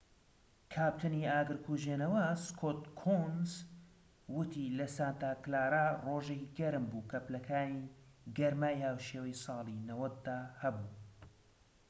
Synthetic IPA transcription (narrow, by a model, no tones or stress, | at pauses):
kʰaːp̚t̪ʰɨniaːɡɨɾkʰuʒenɐwɐskʰoːt̪̚kʰonz | wʊt̪ʰilɐsaːnt̪aːklaːɾaroːʒekiɡɐɾɨmbukʰɐplɐkʰaːniɡɐɾmaːjhaːwʃeːwɐjsˤɑːlˠinɐwɐt̪̚d̪aːhɐbuː